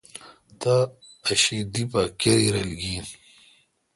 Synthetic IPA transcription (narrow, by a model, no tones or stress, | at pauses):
t̪aː | ɕid̪ipakeɾiɾɐlɡiːn